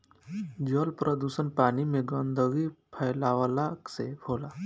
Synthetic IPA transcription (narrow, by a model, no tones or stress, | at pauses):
d͡ʒoːlpɾʔəd̪uːsənpaːnimẽɡə̃nd̪ʱəɡipʰəɪlaːwəlaksebʰʱoːlaː